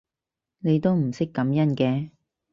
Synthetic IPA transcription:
ne˨˧jt̪o˥wm̩˨˩sɪ˥kːɐ˨˧˥mjɐ˥nkɛː˧

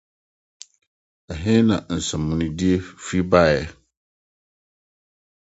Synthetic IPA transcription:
ɛ˨ɦɪ̃˦nã˨n̩˨sã˨mːũ˨nʊ̃˨di˦e˦fi˦ba˦˨jɛ˦˨

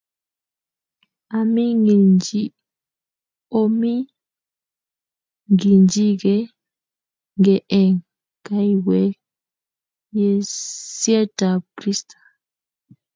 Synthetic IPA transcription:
a˨mi˦ŋɡi˨nd͡ʒi˦ | o˦mi˦ | ŋɡi˨nd͡ʒi˦ɡɛ˦ | ŋɡɛ˨ʔɛ˨ŋ | ka˨i˨wɛ˦ | jɛ˨sjɛ˦ta˨pɾi˦stḁ˨

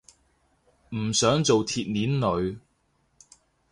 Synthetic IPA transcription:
m̩˨˩sœː˨˥ŋt͡so˨wt̪ʰiː˨t̚niː˨˥nlɵ˨˧ɥ

